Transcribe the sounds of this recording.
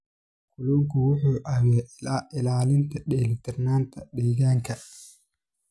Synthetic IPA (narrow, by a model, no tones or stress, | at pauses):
kʰʊluːŋkʰʊwʊħuːʔɐwɛɪlaːlɪnt̪ʰɐɖɛːlɪt̪ʰɪrnaːnt̪ʰɐɖɛːɣaːŋkʰɐ